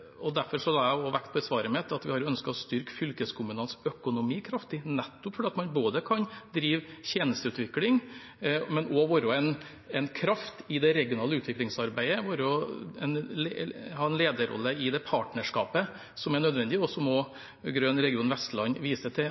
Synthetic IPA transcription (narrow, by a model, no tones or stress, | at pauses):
ɔd̪æɾfɔɾʂɔhlɑæɔʋækt̪̚pʰɔɛsʋɑːɾəmɛt̪ʰːɑt̪ʋɪhɑɾɔœnskəɔst̪ʏɾkfʏlkəskʰʊmʉnɑnsœkʊnʊmiːkʰɾɑft̪ɪnɛt̪ːʊpfɔɖɛːɑt̪mɑnboːd̪əkʰɑnd̪ɾiːʋçeːnəst̪əʉːt̪ʋɪklɪŋ | mɛnɔʋoːɾɔɛn | ɛnkʰɾɑft̪ɪd̪ɛɾɛɡɪʊnɑːləʉːt̪ʋɪklɪŋsɑɾbæɪəʋoːɾəɔɛ̰nlhɑːɛnleːd̪əɾɔ̰lːəɪd̪ɛpʰɑːʈnəʂkɑ̰ːpə | sɔmæɳœd̪ʋɛnd̪ɪɔsɔmɔ | ɡɾøːnɾɛɡɪuːnʋɛst̪lɑnʋiːsət̪ʰɪ